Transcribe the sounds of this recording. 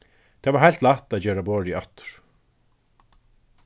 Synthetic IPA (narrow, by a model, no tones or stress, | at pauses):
t̪ʰɛːvaɾɦajl̥t̪laht̪aðd͡ʑeːɾabɔːɾiat̪ʏ̥ɹ̥